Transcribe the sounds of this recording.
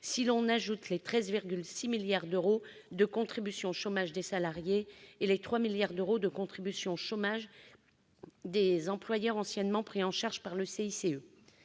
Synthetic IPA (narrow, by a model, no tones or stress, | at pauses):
silɔ̃naʒut̪let̪χɛzviʁɡʲylsimiljaʁd̪øʁo | d̪əkɔ̃t̪χibysjɔ̃ʃomaʒd̪esalaʁjeːlet̪χwamiljaʁd̪øʁod̪əkɔ̃t̪χibysjɔ̃ʃomaʒ | d̪ezɑ̃plwajœʁɑ̃sjɛnmɑ̃pχiɑ̃ʃaʁʒpaʁləseiseø